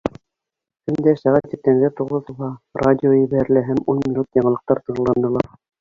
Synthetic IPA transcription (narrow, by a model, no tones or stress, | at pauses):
kɵ̆nd̪æʃæʁæt̪ip̚t̪æŋɡæt̪uʁɤðŭlˠɦɑradʲɪojɘ̆βæɾɘ̆læɦæmunmʲinut̪jɑɴɤ̆lˠɤ̆q̚t̪ɑɾt̪ɤ̆ɴlˠɑnd̪ɤ̆lˠɑɾ